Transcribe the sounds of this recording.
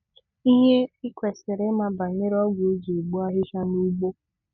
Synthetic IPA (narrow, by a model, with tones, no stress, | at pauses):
i˦ɦe˦ɪ˦kʷe˨se˨ɾe˦ma˨ba˨ɲe˦ɾɔ˦ɡʊ˨˦d͡ʒi˨ɡ͡bu˦a˦ɦɪ˦ʃa˦nu˦ɡ͡bo˦